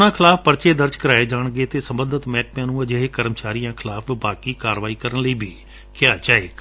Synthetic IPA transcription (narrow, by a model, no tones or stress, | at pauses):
nãːkʰɪlaːpʰpəɾt͡ʃeːd̪əɾd͡ʒkəɾaːeːd͡ʒaːɳ̃ɡeːt̪eːsəmbənd̪ət̪mɛːʈ̚pjãːnũːəd͡ʒeɦeːkəɾəmt͡ʃaːɾijãːkʰɪlaːpʰbaːkiːkaːɾʋaːiːkəɾəɳləiːbʱiː | kɪjaːt͡ʃaːeːk